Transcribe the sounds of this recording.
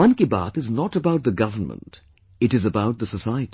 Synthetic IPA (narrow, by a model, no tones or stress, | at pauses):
ʌ̃nkɪba̰t̪ɨznɔʈəbaʊʈ̚d̪əɡʌvənmə̰̃nt | ɪʈɨzəbaʊʈ̚d̪əsəsaɪəʈi